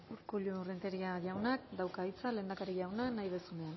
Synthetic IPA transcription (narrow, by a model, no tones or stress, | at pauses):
uɾkuʎurent̪eɾiaʝawnakd̪awkajt͡sale̞ːnd̪akaɾiʝawnanajβesunean